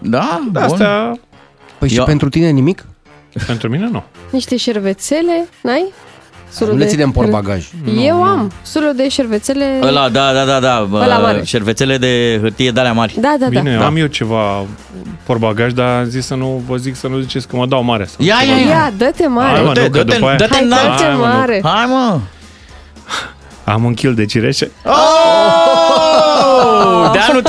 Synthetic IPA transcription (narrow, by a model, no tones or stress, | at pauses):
d̪aast̪ea | pəjʃipent̪ɾut̪ine̞nimik | pe̞nt̪ɾumine̞nuniʃt̪e̞ʃerve̞t̪se̞le̞najsoluuleinemporbaɡaʒjewamsulud̪e̞ʃervet̪sele̞əlad̪ad̪ad̪ad̪aəlaaʃervet̪se̞le̞d̪e̞ɦɨt̪ije̞d̪aleamarʲd̪ad̪aaneamjewt͡ʃe̞va | porbaɡaʒd̪aazisːənuvəziksənuzit͡ʃe̞sʲkəmad̪awmaɾeasajajejad̪ət̪emaɾed̪epaajdaəteaemaɾeajmə | a̰mɨŋkʲild̪et͡ʃiɾeʃeo | d̪eanu